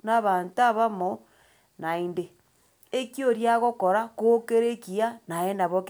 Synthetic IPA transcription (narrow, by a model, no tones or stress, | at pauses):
naβantaβamo | nainde | ekjoɾjaɣokoɾakokeɾekianaendaβok